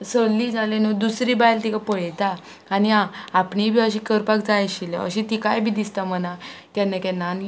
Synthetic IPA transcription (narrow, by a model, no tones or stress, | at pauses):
səlːiːd͡zalenud̪usɾibajlt̪ikapəɭjt̪aː | niãapɳibʱiːəɕikəɾpakd͡zajɕileə̰ɕit̪ikajbʱiːd̪ist̪aməna | kɛnːakɛnːan